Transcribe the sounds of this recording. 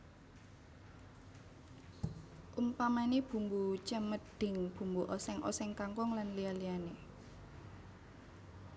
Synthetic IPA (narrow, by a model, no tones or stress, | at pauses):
ʔumpamanib̥ṳmbut͡ʃəməd̪̥ɪ̤ŋb̥ṳmbuʔɔsɛŋʔɔ̰sɛŋkaŋkɔŋlanlialijane